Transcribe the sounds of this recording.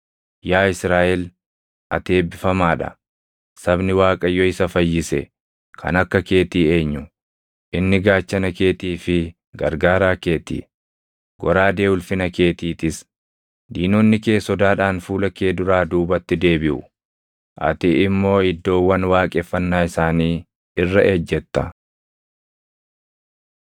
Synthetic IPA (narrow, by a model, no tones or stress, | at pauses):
jaːɪsɾaːʔɛl | ʔɐ̰t̪e̞ːbɪfɐmaːᶑɐ̰ | sɐbnɪwaːkʼɐjːɔɪsɐfɐjːɪsɛ̰ | kʰɐ̰nɐkːɐke̞ːt̪iːe̞ːɲːʊ | ʔɪnːɪɡaːt͡ʃːɐnɐke̞ːt̪iːfɪ | ɡɐ̰ɾɡaːɾaːke̞ːt̪ḭː | ɡɔɾaːd̪e̞ːʊlfɪnɐke̞ːt̪iːt̪ɪs | d̪iːnoːnːɪke̞ːsːɔd̪aːᶑaːnfuːlɐkeːd̪ʊɾaːd̪uːbɐt̪ːɪd̪e̞ːbɪʔʊ̰ | ʔɐ̰t̪ɪʔɪmːo̞ːɪd̪ːo̞ːwːɐnwaːkʼɛfːɐnːaːɪsaːniː | ɪrːɐʔeːd͡ʒːɛt̪ːɐ